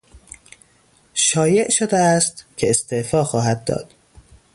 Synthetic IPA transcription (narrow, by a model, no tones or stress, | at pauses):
ʃɒːje̞ʔʃod̪eæst̪cʰe̞est̪eʔfɒːxɒːhæd̪ːɒ̰ːd̪̥